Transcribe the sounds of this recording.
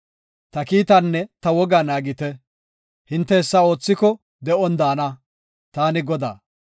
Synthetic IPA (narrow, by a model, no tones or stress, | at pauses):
t̪ɐkiːt̪ɐnːɛt̪ɐwɔɡaːnaːɡɪt̪ɛ | hɪnt̪ːɛɛsːao̞ːt͡sːɪkɔ | d̪ɛʔɔnd̪aːnɐ | t̪aːnɪɡɔd̪a̰ː